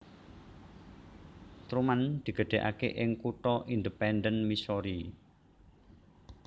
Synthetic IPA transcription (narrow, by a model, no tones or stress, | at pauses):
t̪ɾumand̪̥i̤ɡ̥ə̤ɖ̪̥e̤ʔa̰keʔɪŋkut̪ɔʔind̪əpɛnd̪ənmisɔɾi